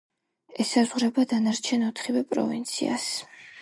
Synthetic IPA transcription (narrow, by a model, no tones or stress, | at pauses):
ɛsazʁɾɛbad̪anaɾt͡ʃʰɛnɔt̪ʰχivɛpʼɾɔ̰vint̪sʰia̰s